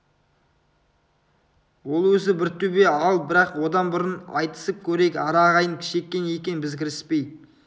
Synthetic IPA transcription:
wo̞lˠwɵzɪbɪɾt̪ʰɵbe̞ɑl̚ˠbɪɾɑqwo̞d̪ɑnbʊɾənɑ̰jt̪ə̥səp̚kʲʰɵɾe̞kʲɑɾɑʁɑjəŋkʲʰɪ̥ʃe̞kʲːe̞nje̞kʲennbɪzkʲʰɪɾɪspe̞jd̪ɪ

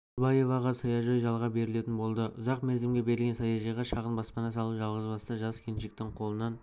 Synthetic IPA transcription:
bɑje̞vɑʁɑsɑjɑʒɑjʒɑlˠʁɑbe̞ɾɪle̞t̪ɪnbo̞lˠd̪əʔʊzɑqmeɾd̪emɡʲebe̞ɾɪlɡʲesɑjɑʒɑjʁɑʃɑqənbɑspɑnɑs̬ɑlˠəpʒɑlˠʁəzbɑst̪əʒɑskʲʰenʃɪk̚t̪ɪɴqʰo̞lˠənɑn

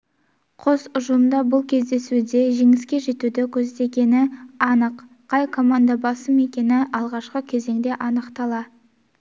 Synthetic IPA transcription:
qʰo̞sʊʒəlˠmd̪ɑbʊlˠkʲʰe̞zd̪e̞sud̪e̞ʒeŋɪskʲe̞ʒe̞t̪ud̪ɪkʲʰɵzd̪e̞kʲe̞nɪɑnəqːʰ | ɑjkʰo̞mand̪abɑsəme̞kʲe̞nɪʔɑlˠʁɑʃqəkʲʰe̞ze̞ŋd̪e̞ʔɑnəqt̪ɑlˠɑ

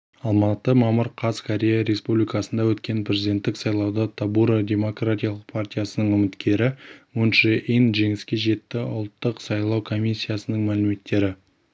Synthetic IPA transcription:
ɑlˠmɑt̪əmɑməɾqʰɑzkʰoɾʲe̞jaɾe̞spublijkasənd̪ɑwɵt̪kʲe̞npɾʲe̞zʲid̪ʲe̞nt̪ːɪksɑjlˠɑwd̪ət̪ʰabuɾod̪ʲe̞mo̞krat̪ʲijalˠəq̚pʰartʲijasənəɴɵmɪt̪kʲʰe̞ɾɪmʊnʃɪʔinʒe̞ŋɪskʲe̞ʒe̞t̪ːɪʊ̰lˠt̪ːəqsɑjlˠɑwkʰo̞mʲisʲːijasənəɴmælɪme̞t̪ːe̞ɾɪ

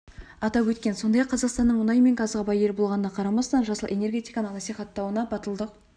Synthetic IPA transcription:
ɑt̪ɑpwɵt̪kʲe̞nso̞nd̪ɑjɑqʰːɑzɑqst̪ɑnːəɴmʊnɑjme̞ŋɡɑzʁɑbɑje̞ɾbo̞lˠʁɑnənɑqʰɑɾɑmɑst̪ɑnʒɑsəlˠʔe̞ne̞rɡʲe̞t̪ijkɑnəqnɑsijχɑt̪ːɑwənɑbɑt̪əlˠd̪əq̚

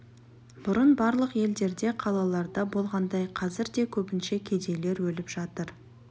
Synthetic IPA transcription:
b̥ʊɾənbɑɾlˠəqje̞ld̪e̞ɾd̪e̞qʰɑlˠɑlˠɑɾd̪ɑbo̞lˠʁɑnd̪ɑjqʰɑzɪɾd̪e̞kʲʰɵpɪnʃe̞kʲʰe̞d̪e̞le̞ɾwɵlɪpʒ̥ɑt̪əɾ

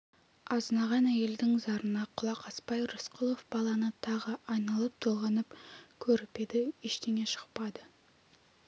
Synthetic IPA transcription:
ɑznɑʁɑnæje̞ld̪ɪŋzɑɾənɑqʰʊlˠɑqʰɑspɑjɾʊsqʰʊlˠofbɑlˠɑnət̪ʰɑʁəʔɑjnɑlˠəp̚t̪ʰolˠʁɑnəpkʲʰɵɾɪpe̞d̪ɪeʃt̪eŋe̞ʃə̥q̚pɑd̪ə

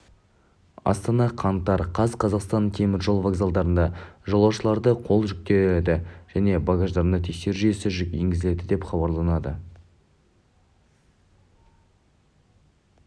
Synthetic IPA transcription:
ɑ̰st̪ɑnɑqʰɑnt̪ːɑɾqʰɑzqʰɑzɑqst̪ɑnkʲʰemɪɾʒo̞lˠvaɡzalˠd̪ɑɾənd̪ɑʒolˠɑwʃəlˠɑɾd̪əqʰo̞lˠʒʏk̚t̪e̞d̪ɪʒ̥æne̞bɑɡɑʒd̪ɑɾnət̪ʰe̞kʃe̞ɾɪʒyje̞sɪʒe̞ŋɡʲɪzɪle̞d̪ɪd̪e̞pχɑbɑɾlˠɑnɑd̪ə

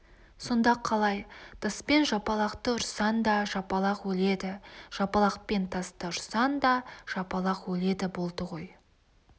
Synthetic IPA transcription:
so̞nd̪ɑqʰːɑlˠɑjt̪ʰɑspe̞nʒɑpɑlˠɑqt̪əʊɾsɑnd̪ɑʒɑpɑlˠɑqwɵle̞d̪ɪʒ̥ɑpɑlˠɑq̚pe̞nt̪ʰɑst̪əʊɾsɑnd̪ɑʒ̥ɑpɑlˠɑqwɵle̞d̪ɪbo̞lˠd̪əʁo̞j

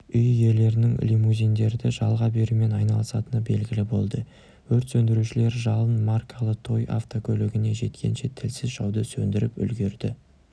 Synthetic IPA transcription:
ʏjje̞le̞ɾɪnɪŋlʲimuzʲijnd̪e̞ɾd̪ɪʒɑlˠʁɑbe̞ɾume̞nɑjnɑlˠəsɑt̪ənəbe̞lɡʲɪlɪbo̞lˠd̪ə | wɵɾt̪sɵnd̪ɪɾuʃɪle̞ɾʒɑlˠənmarkʰalˠəqt̪ʰo̞ja̰ft̪o̞kʲʰɵlɪɡʲɪne̞ʒe̞t̪kʲʰe̞̰nʃe̞t̪ʰɪlsɪzʒɑwd̪əsɵnd̪ɪɾɪpʏ̰lɡʲe̞ɾd̪ɪ

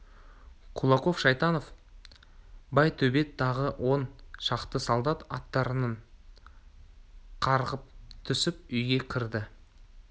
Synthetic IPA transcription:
qʰulˠɑqo̞fʃɑjt̪ɑno̞f | bɑjt̪ʰɵbe̞t̪ʰːɑʁəwʔo̞nʃɑqt̪əsɑlˠd̪ɑt̪ɑ̰t̪ːɑɾənɑɴ | qʰɑɾʁəp̚t̪ʰʏsɪpʏjɡʲe̞kʲʰɪɾd̪ɪ

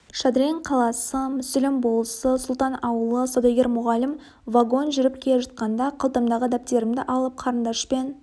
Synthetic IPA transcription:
ʃad̪ɾʲeɴqʰɑlˠɑsəmʏsɪlɪmbolˠsəsʊlˠt̪ɑnɑwəlˠəsod̪oɡʲe̞ɾmʊʁɑlɪm | vaɡo̞nʒʏɾɪp̚kʲʰelʲeʒɑt̪̚qɑnd̪ɑqʰəlˠt̪ɑmd̪ɑʁəd̪æp̚t̪e̞ɾɪmd̪ɪʔɑlˠəp̚qʰɑɾənd̪ɑʃpe̞n

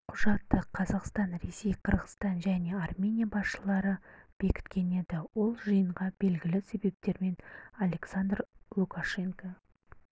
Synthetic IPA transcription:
qʰʊʒɑt̪ːəqʰɑzɑqst̪ɑnɾe̞se̞jqʰəɾʁəst̪ɑnʒæne̞armʲe̞nʲijabɑsʃəlˠɑɾəb̥e̞kʲɪ̥t̪kʲʰe̞ne̞d̪ɪwo̞lˠʒəjəɴʁɑb̥e̞lɡʲɪlɪse̞be̞p̚t̪e̞ɾme̞nalʲe̞ksand̪rlˠukaʃe̞ŋka

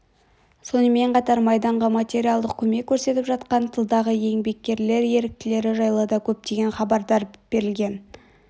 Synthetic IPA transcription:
so̞nəme̞ɴqʰɑt̪ɑɾmɑjd̪ɑɴʁɑmat̪ʲe̞ɾʲialˠd̪əqkʲʰɵme̞kʲʰːɵɾse̞t̪ɪpʒɑt̪qɑnt̪ʰəlˠd̪ɑʁəje̞ŋbe̞kʲːe̞ɾle̞ɾje̞ɾɪk̚t̪ɪle̞ɾɪʒɑjlˠəd̪ɑkʲʰɵp̚t̪e̞ɡʲe̞nχɑbɑɾd̪ɑɾb̥e̞ɾɪlɡʲe̞n

